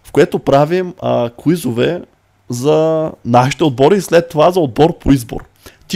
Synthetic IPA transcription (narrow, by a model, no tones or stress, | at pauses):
fkoɛt̪opɾavimkʊizovɛ | zɐnaʃi̥t̪ɛod̪̚bɔɾiːslɛt̪ːovazɐod̪̚bɔɾpoizbo̰ɾ | t̪ʲ